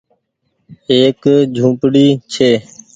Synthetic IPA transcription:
eːkd͡ʒʱũːpɽiːt͡ʃʰeː

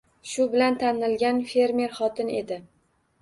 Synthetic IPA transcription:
ʃʊbɪlant̪ʰanɪlɡʲanfe̞ɾme̞ɾχɒt̪ʰɪne̞d̪ɪ

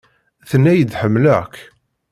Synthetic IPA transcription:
θənːæjəd̪ħəmːlæk

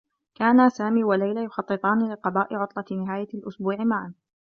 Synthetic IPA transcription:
kaːnasaːmiːwalajlajʊxɑt̪ˤːɨt̪ˤɑːnɪlɪqɑbaːʔɪʕʊt̪ˤlɑnɪɦaːjalʔʊsbuːʕɪmaʕan

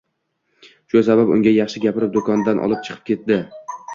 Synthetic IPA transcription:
ʃʊsababʊ̰ŋɡʲajɑχʃɪɡʲapɪɾɪp̚d̪okʰɒnd̪anʔɒ̰lˠɪp̚t͡ʃʰɨ̥qʰɨ̥p̚kʲe̞t̪̚d̪ɪ

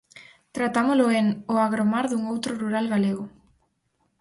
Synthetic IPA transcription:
t̪ɾat̪amolʊeŋoaɣɾomaɾðuŋowt̪ɾʊruɾalɣaleɣʊ

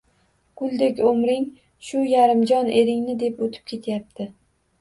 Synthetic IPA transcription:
ɡ̥ʊlˠd̪ekʲomɾɪŋ | ʃʊjaɾɪmd͡ʒɒnʔe̞ɾɪŋnɪd̪e̞pot̪ʰɪ̥p̚kʲʰe̞t̪ʰjap̚t̪ʰɪ

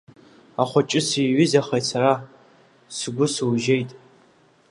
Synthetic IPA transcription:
aχʷɔt͡ʃʼɪsɨjɥɪzaχejsaɾa | sɨɡʷʊsɨwʒejtʼ

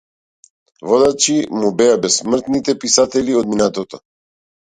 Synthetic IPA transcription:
vɔd̪at͡ʃimubɛjabɛssmr̩t̪nit̪ɛpisat̪ɛliɔd̪̚minat̪ɔt̪ɔ

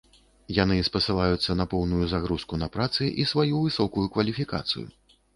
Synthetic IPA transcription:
janɨspɐsɨlˠajut̪sːɐnɐpɔwnujuzaɣɾuskunɐpɾat̪sɨʔisvajuvɨsɔkujukvɐlʲifʲika̰t̪sɨ̰jṵ

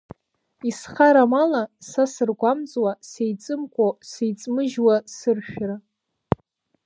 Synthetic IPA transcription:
isχaɾamalasasɨrɡʷamt͡sʼwasejt͡sʼɨmkʷʼosejt͡sʼmɨʒwasɨrʃᶣra

